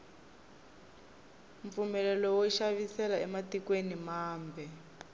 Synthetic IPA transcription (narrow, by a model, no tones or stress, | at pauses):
ɱfumɛlɛlɔwɔiʃaβisɛlaɛmatikwenimaːmbʱɛ